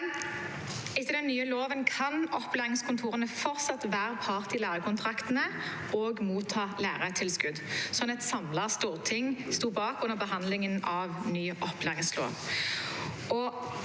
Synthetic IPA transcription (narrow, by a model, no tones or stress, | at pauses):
ɪt̪ːəd̪ɛnnːyːəloːʋənkʰɑnɔpːleːʁɪŋskʊnt̪ʰuːʁənəfɔʁt̪sɑt̪ʋæːʁpʰɑʁt̪ɪlæːʁəkʰʊnt̪ʰʁɑkt̪ənə | ɔːɡmuːt̪ʰːɑːlæːʁət̪ʰɪlskʉd̪sɔnɛt̪sɑmlɑst̪uːʁt̪ʰɪŋst̪uːbɑːkʉnːəʁbəɦɑnd̪lɪŋənɑʋnyːʔɔplæːʁɪŋslo̰ːʋ | ɔ